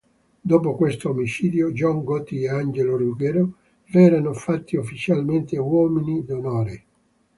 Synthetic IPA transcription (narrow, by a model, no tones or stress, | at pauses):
d̪oːp̬okwest̪oomit͡ʃiːd̪jod͡ʒɔŋɡɔt̪ːieand͡ʒeloruɡeɾo | vɛːɾanofat̪ːiufːit͡ʃalment̪ewɔːminid̪onoːɾe